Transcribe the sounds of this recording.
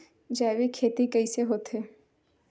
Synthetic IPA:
d͡ʒɛːʋikʰeːt̪ikəiseɦoːt̪ɦeː

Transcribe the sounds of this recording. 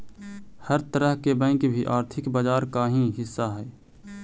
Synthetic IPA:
həɾt̪əɾəɦkebə̃ɪ̃kbʱiʔaːɾt̪ʰɪkbaːd͡ʒaːɾkaɦĩɦɪsːaɦɛː

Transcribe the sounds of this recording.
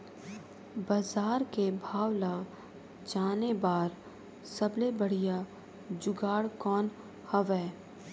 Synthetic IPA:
baːzaːɾkebʱaːwla | d͡ʒaːnebaːɾ | sɐblebəɽ̤ija | d͡ʒʊɡaːɽkɔːn | hɐʋɛː

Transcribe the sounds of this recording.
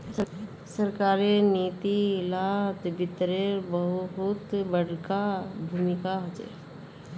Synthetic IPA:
s | səɾkaːɾeniːt̪ilat̪bɪt̪ɾeɾbəɦʊɦʊt̪bəɽkabʱuːmɪkaɦod͡ʒḛ

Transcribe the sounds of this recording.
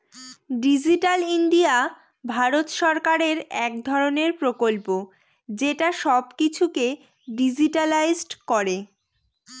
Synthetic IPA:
ɖid͡ʑiʈaliɳɖia | bʱaɾot̪ʃɔɾkaɾeɾɛk̚d̪ʱɔɾoneɾpɾokolpo | d͡ʑeʈaʃɔbkit͡ɕʰuke | ɖid͡ʑiʈalajzɖkɔɾe

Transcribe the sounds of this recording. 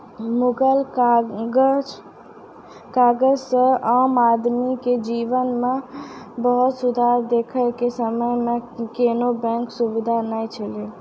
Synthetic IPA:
muɡəl | kaɡəd͡ʒsə̃əmad̪miked͡ʒiʋənmebəɦut̪sud̪ʱaɾd̪ekʰəkesəməjmekenobɛ̃ŋksubid̪ʱanəjt͡ʃʰəli

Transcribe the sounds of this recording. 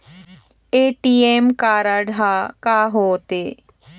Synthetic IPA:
eːʈiemkaːɾaɖʱakaːɦoːt̪eː

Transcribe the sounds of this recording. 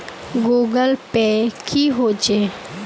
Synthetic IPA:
ɡuːɡəlpekʰiːɦod͡ʒeː

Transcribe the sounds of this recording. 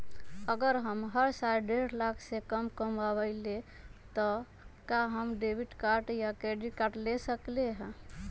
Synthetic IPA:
əɡəɾɦəmɦəɾsaɾɖeɾlakʰsekəmkəməbəɪle | t̪ɔ | kaɦəmɖebiʈkaɾʈjakeɖikaɾʈlesəkleɦɛ̃

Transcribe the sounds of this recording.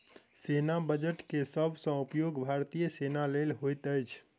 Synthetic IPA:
senabəd͡ʒəʈkesəbʱsə̃upjoɡbʱaɾt̪ijəsenalelɦojt̪əjt͡ʃʰ

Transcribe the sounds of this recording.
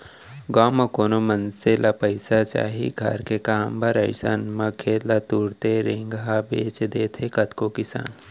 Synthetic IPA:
ɡaːmɐkoːnomɐnselapəɪsat͡ʃa̰ːɦḭɡʱɐ̰ɾkekaːmbʱɐɾəɪsa̰nmɐkʰeːlɐt̪uːɾt̪eɾẽːŋɡɦabeːt͡ʃd̪eːt̪ʰekɐt̪kokɪsa̰ːn

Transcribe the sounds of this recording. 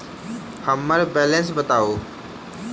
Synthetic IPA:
həməɾbɛːlẽnsbət̪aːoː

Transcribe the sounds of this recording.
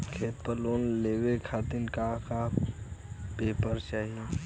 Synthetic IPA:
kʰeːt̪̚pəloːnleːwekʰaːt̪ɪnkaka | peːpəɾt͡ʃaːɦie

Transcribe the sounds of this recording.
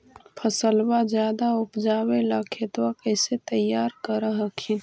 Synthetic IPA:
pʰəsəlbad͡ʒjaːd̪aʊpd͡ʒaːwelaːkʰet̪wakəɪset̪əjːaːɾkəɾəɦəkʰĩ

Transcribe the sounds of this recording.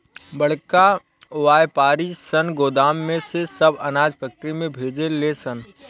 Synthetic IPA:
bəɽ̤ka | ʋaːjpaːɾisənɡoːd̪aːmːẽsesəbɐnaːd͡ʒpʰɛːk̚ʈəɾimẽbʱeːd͡ʒelesən

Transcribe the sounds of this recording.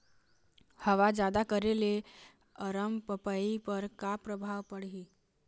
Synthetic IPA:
həʋad͡ʑad̪akəɾele | əɾəmpəpaipəɾkapɾəbʱaʋpəɽɦi

